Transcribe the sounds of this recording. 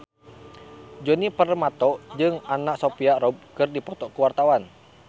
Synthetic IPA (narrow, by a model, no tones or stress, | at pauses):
d͡ʒɔnipərmat̪ɔd͡ʒɨŋanaʔsopiaɾɔb̚kɨrdipɔt̪ɔkuwart̪awan